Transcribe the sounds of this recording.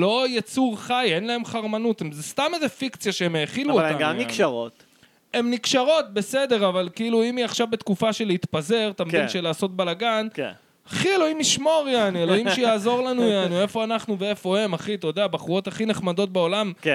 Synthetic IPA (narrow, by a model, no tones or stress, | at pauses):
lo̞jat͡suʁχajenlae̞mχaʁmanut̪emzest̪amezefikt͡sijaʃeemjeaχiluoaɡanikʃaʁo̰t̪ | e̞mnikʃaʁo̞t̚be̞se̞de̞ʁavalkiiluimiaχʃavbe̞t̪kufaʃeleit̪paze̞ʁt̪amimʃelaːso̞t̚balaɡan | aχielo̞imliʃmo̞ʁjanielo̞imʃejaːzo̞ʁlanujjanie̞fo̞anaχnuvee̞fo̞he̞maχit̪od̪eabaχuo̞t̪aχineχmado̞t̪̚beo̞lam